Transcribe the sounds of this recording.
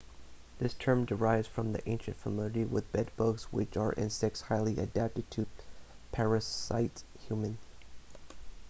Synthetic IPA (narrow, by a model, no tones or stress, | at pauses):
ðɪstʰɜ̃˞mdə˞aɪvz̥fɹʌ̃mðḭʔẽɪ̃nʃɨ̃ntfəmɪlˠɨɾiwɪ̰ðbɛd̚bʊkswɪ̰t͡ʃə˞ʔɪ̰̃nsɛk̚shaɪlˠiʔɨ̰dæp̚tɨd̚tʰɨpʰɛɹɨsa̰ɪthjʉmɨ̃n